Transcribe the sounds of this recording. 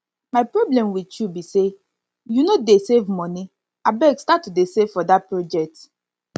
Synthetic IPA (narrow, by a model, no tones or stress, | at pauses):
maɪpɾɔblɛ̃mwitjubise | junodesevmɔni | abɛɡstatːudesevfɔdat̚pɹod͡ʒɛk̚t